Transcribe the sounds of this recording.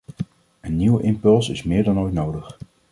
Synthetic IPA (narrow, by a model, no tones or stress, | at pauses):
ənːiwʔɪmpɵlˠsɪsmɪːɹdɑnojtnowdəχ